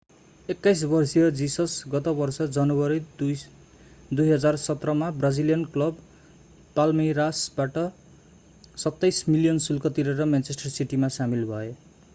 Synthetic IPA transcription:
ekːajs̬bʌrsijʌd͡zisʌsɡʌt̪ʌbʌrsʌd͡zʌnobʌɾid | d̪ujɦʌd͡zarsʌt̪rʌmabrad͡zilijʌnklʌb | palmiɾasbaʈʌ | sʌt̪ːajsmilijʌnsulkʌt̪iɾʌɾʌmjant͡sesʈʌrsiʈimasamilbʱʌe

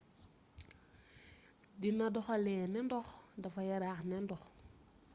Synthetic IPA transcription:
dinɐdɔxɐlɛːnɛndɔxdɐfɐjɐɾaːxnɛndɔx

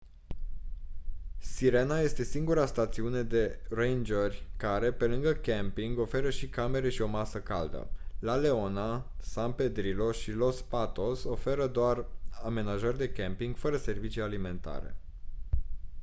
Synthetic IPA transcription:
siɾe̞naje̞st̪e̞siŋɡuɾast̪at̪siune̞d̪e̞rejnd͡ʒərʲkaɾe̞pe̞lɨŋɡəkʲempiŋɡo̞fe̞ɾəʃikame̞ɾe̞ʃio̞masəkald̪ə̰lale̞o̞nasanpe̞d̪ɾilo̞ʃilo̞spat̪o̞so̞fe̞ɾəd̪oarame̞naʒərʲd̪e̞kʲempiŋɡfəɾəse̞rvit͡ʃijalime̞nt̪a̰ɾe̞̰

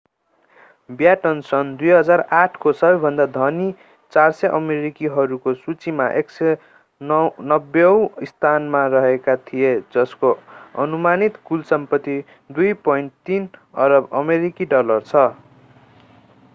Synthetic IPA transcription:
bjaʈʌnsʌnd̪ujɦʌd͡zaraʈʰkosʌbʌjbʱʌnd̪ad̪ʱʌni | t͡sarsʌʔʌmeɾikiɦʌɾukosut͡simaʔeksʌ | nnʌbʌw̃ist̪ʰanmarʌɦekat̪ʰijed͡zʌskoʌ̰numanit̪kulsʌmpʌt̪ːi | d̪ujpʌiɳʈt̪inʌɾʌbʌmeɾikiɖʌlʌrt͡sʰʌ

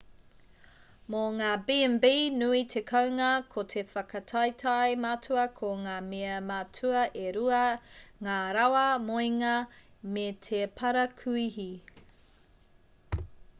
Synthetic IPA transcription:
moŋaːbimbinuit̪ʰekʰɐwŋɐkʰotʰefɐkɐtʰɐjtʰɐjmatʰuɐkʰoŋaːmeɐmatʰuɐʔeɾuɐŋaːɾɐwɐmojŋɐmet̪ʰepʰɐɾɐkʰuihi

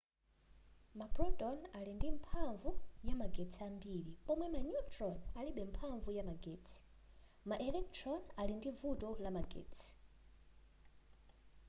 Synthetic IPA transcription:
mapɾɔtʼɔnalindimpʰaɱvujamaɡɛtt͡sʰiambiɾipɔmwɛmanutʰɾɔnaliɓɛmpʰaɱvujamaɡeːt͡sʰi̥ | maʔɛlɛk̚tʰɾɔnalindivutɔlamaɡɛ̰ːt͡sʰi̥

